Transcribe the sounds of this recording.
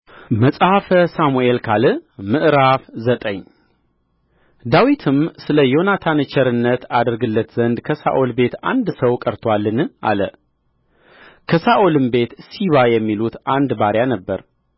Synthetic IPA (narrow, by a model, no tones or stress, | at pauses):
məsʼhafəsamuʔe̞lkʰalɨmɨʔɾafzət̪ʼəɲː | d̪awit̪ʰɨmsɨləjo̞nat̪ʰanɨt͡ʃʰɛɾɨnːət̪ʰad̪ɾɡɨlːət̪zənd̪kʰəsa̰ʔo̞lbe̞t̪a̰nd̪səwkʼəɾt̪ʰwalːɨnɨʔa̰lə | kʰəsaʔolɨmbe̞t̪siβajɛmːilut̪ʔand̪baɾjanəbːəɾ